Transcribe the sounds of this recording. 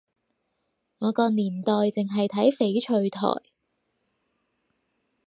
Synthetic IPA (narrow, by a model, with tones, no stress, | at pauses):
ŋɔː˨˧kɔː˧niː˨˩nt̪ɔː˨jt͡sɪ˨ŋɦɐ˨jt̪ʰɐ˨˥jfe˨˥jt͡ʃʰɵ˧ɥt̪ʰɔ̰ː˨˩j